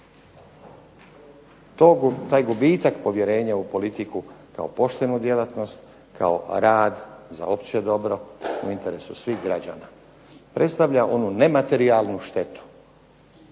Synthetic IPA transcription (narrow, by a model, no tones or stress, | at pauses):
t̪ot̪aːjɡubiːt̪akpo̞ʋje̞ɾe̞ːɲaupo̞lit̪ikuka̰opo̞ʃt̪e̞nud̪je̞lat̪no̞st̪ | kʰa̰o̞̰ɾaːd̪za̰o̞pt͡ɕed̪o̞bɾo̞ṵint̪e̞ɾe̞susʋiːɣɡɾad͡ʑa̰ːna | pɾʔe̞t̪st̪aʋʎaʔo̞nune̞mat̪e̞ɾialˠnuʃt̪e̞t̪u̥